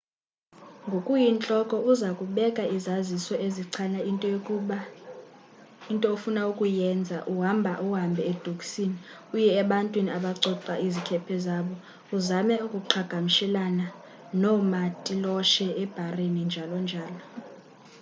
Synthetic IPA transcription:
ŋɡʱokʼujint͡ɬʼɔkʼɔʔuzakʼuɓɛkʼaizazisɔʔeziǀʰana | intʼɔofunaukʼujɛnd͡zʱa̰ʔuɦambʱaʔuɦambʱɛɛd̥ʱokʼsini | ujɛːɓantʼwiniaɓaǀɔǀaʔizikʰɛpʰɛzaɓɔ | uzamɛukʼuǃʰaɡ̥ʱamiʃɛlana | nɔmatʼilɔʃɛːb̥ʱarenind͡ʒʱalɔnd͡ʒʱaːlɔ

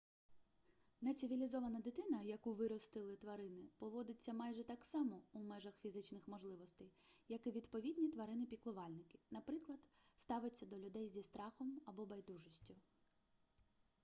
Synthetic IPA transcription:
nɐt͡sʲɪʋʲilʲizɔʋɐnɐd̪ɪt̪ɪnɐjɐkuʋɪɾɔst̪ɪlˠɪt̪ʋɐɾɪnɪpɔʋɔd̪ɪt͡sʲːɐmɑjʒɛt̪ɑksɑmɔumɛʒɐxfʲizɪt͡ʃnɪxmɔʒlˠɪʋɔst̪ɛjjɐkɪʋʲid̪pɔʋʲid̪ʲnʲit̪ʋɐɾɪnɪpʲiklˠʊʋɑlʲnɪkɪ̥nɐpɾɪklˠɐd̪̥st̪ɑʋɪt͡sʲːɐd̪ɔlʲʊd̪ɛjzʲist̪ɾɑxɔmɐbɔbɐjd̪uʒɔsʲtʲʊ

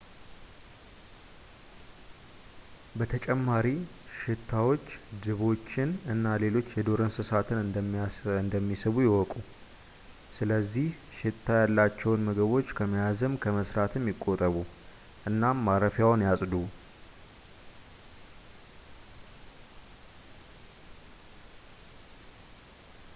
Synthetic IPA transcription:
bət̪ʰət͡ʃʼɛmːaɾi | ʃɪt̪ʰːawo̞t͡ʃːd̪ɨβo̞t͡ʃːɪnɨnːale̞lo̞t͡ʃːjɛd̪o̞ɾənsɨsat̪ʰɨnɨ | ɨnd̪əmːisɨβujɛwɔkʼu | sɨləzːih | ʃɪt̪ʰːajalːat͡ʃːɛwnməɡəβo̞t͡ʃːkʰəmijazəmkʰəməsɾat̪ʰɨmjɪkʼːo̞t̪ʼəβu | ʔɨnːamːaɾəfjawnjasʼd̪u

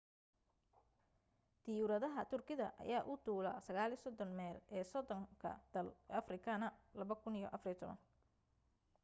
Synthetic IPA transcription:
d̪̥ɪjuɾɐðɐɦɐt̪ʰʊrkʰɪðɐ̰ʔɐ̰jaːʔʊd̪uːlɐ̰sɐɣaːlisɔd̪ɔnmɛːlɛːsɔd̪ɔŋkʰɐ̰d̪̥ɐlɐfrɪkʰɐnɐlɐβɐkʰʊnijɔ̰ʔɐfrjɔt̪ʰɔβɐ̰n

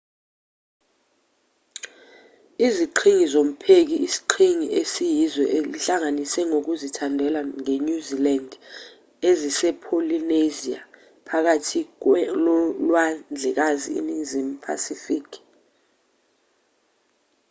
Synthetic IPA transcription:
iziǃʰiŋizom̩pʰek̬iʔisi̥ǃʰiŋiʔesijizɔʔeliɬaŋanisɛŋok̬uzitʰandʱɛlaŋeɲuziland | ezisɛpʰolinezia̰ | pʰak̬atʰi | lwand͡ɮʱɛk̬azḭḭniŋzimpʰa̰sifikʰ

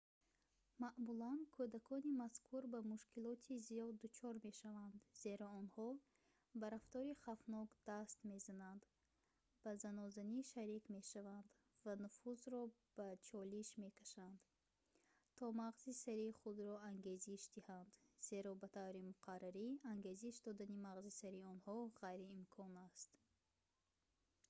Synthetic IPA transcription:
maʔmulankʰud̪akʰɔnimaskʰuɾbamuʃkilɔt̪ʰizijɔd̪ːut͡ʃʰɔɾme̞ʃavand̪ze̞ɾɔɔnhɔ | baɾaft̪ɔɾiχafnɔɡd̪ast̪me̞zanand̪ | bazanɔzaniʃaɾikme̞ʃavand̪ | vanufuzɾɔ | b̥at͡ʃʰɔliʃme̞kʰaʃand̪ | t̪ʰɔmaʁzisaɾiχud̪ɾɔaŋɡe̞ziʃd̪ihand̪z̥e̞ɾɔbat̪ʰavɾimuqʰaraɾiaŋɡe̞ziʃd̪ɔd̪animaʁzisaɾiɔnhɔʁajɾiːmkʰɔnast̪

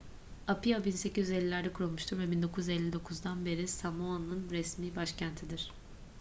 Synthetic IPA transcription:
apiabinse̞cizyzelʲːilʲæɾd̪ɛkʰuɾulˠmuʃt̪ʰuɾvɛbind̪o̞kʰujyzɛlʲːid̪o̞kʰuzd̪anbe̞ɾisamuanːɯnɾɛsmiːbaʃcʰænt̪ʰid̪iɾ̥

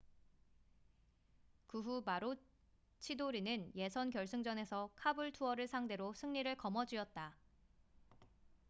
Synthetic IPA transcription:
kuɦumaɾo | t͡ɕʰidoɾinɯnje̞sʰʌnkjʌɭs͈ɯŋd͡ʑʌne̞sʰʌkʰabɯɭtʰuʌɾɯɭsʰaŋde̞ɾosʰɯŋɲiɾɯɭkʌmʌd͡ʑiʌt̚t͈a

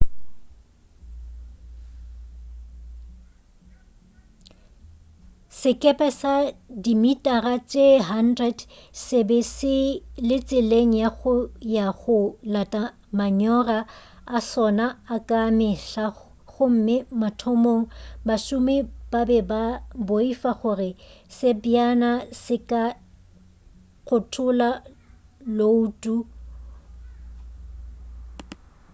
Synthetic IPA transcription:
sɪkʼɛpʼɛsadimitʼarat͡sʼeɦandrɛdsebɛsɪlɪt͡sʼɪleŋ̩jaɣʊjaɣʊlatʼa | maɲɔraː | sɔnaːkʼamɪɬa | ɣʊm̩mɪmatʰɔmoŋ̩baʃʊmɪb̥abɛbaboifaχʊrɪsɪbianasɪkʼa | ɣʊtʰʊla | louːtʼu

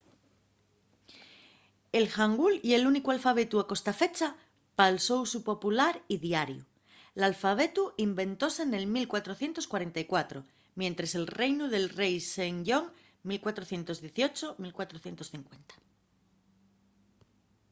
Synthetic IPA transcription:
e̞lxaŋɡulie̞lunikualfaβ̞e̞t̪uako̞st̪afe̞t͡ʃa | palso̞wsupo̞pulaɾiðjaɾjṵ | lalfaβ̞e̞t̪uimbẽ̞nt̪o̞se̞ne̞lmilkwat̪ɾo̞θje̞nt̪oskwaɾe̞nt̪aikwat̪ɾo | mjẽ̞nt̪ɾese̞lrejnuðe̞lrejseŋʎo̞ŋ | milkwat̪ɾoθje̞nt̪o̞zðje̞θio̞t͡ʃomilkwat̪ɾoθje̞nt̪o̞sθiŋkwe̞nt̪ḁ

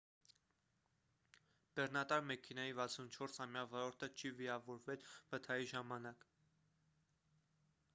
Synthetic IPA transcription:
b̥ɛɾnɑt̪ɑɾmɛkʰɛnɑjivɑt͡sʰunt͡ʃʰɔɾsɑmjɑvɔɾɔɾt̪ʰət͡ʃʰiviɾɑvɔɾvɛlvət̪ʰɑjiʒɑmɑnɑk

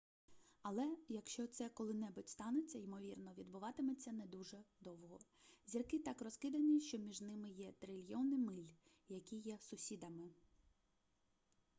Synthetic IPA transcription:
ɐlˠɛjɐkʃt͡ʃɔt̪sɛkɔlˠɪnɛbʊtʲst̪ɑnet͡sʲːɐimɔʋʲirnɔʋʲid̪bʊʋɑt̪ɪmet͡sʲːɐnɛd̪uʒɛd̪ɔwɦɔ | zʲirkɪt̪ɑkrɔskɪd̪ɐnʲiʃt͡ʃɔmʲiʒnɪmɪjɛt̪ɾɪlʲjɔnɪmɪlʲ | jɐkʲijɛsʊsʲid̪ɐmɪ

